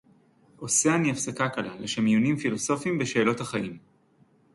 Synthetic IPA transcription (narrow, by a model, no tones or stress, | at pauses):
ʔo̞seaniafsakakalaleʃamjunimfilo̞so̞fimbeʃe̞ːlo̞thaχaʔim